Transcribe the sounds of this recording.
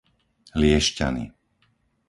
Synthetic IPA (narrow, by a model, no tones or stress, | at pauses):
lɪɛʃca̰nḭ